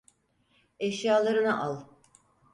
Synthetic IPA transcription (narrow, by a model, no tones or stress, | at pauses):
ɛʃjaːlˠaɾɯnaʔalˠ